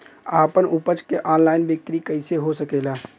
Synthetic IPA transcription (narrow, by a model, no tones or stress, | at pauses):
aːpənupət͡ʃkeʔaːnlaːɪnbɪk̚t̪ɾikəɪseɦosəkeːla